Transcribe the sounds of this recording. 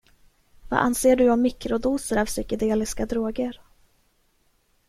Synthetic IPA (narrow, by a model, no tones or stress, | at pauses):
va̰ːʔa̰nseːɖɵɔmmːɪkɾʊd̪uːsəɾavsʏkɪd̪eːlɪskad̪ɾoːɡəɾ